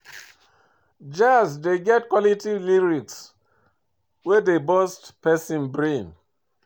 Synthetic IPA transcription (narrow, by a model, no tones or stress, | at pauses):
d͡ʒasdeɡɛtkwɔlitivliɹiks | wɛdebɔstpɛsĩnbɹĩn